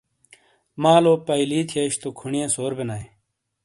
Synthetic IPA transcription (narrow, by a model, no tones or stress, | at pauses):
mãːloːpɐiliːt̪ʰijeːɕt̪okʰuɳijẽːsoːɾbenaːe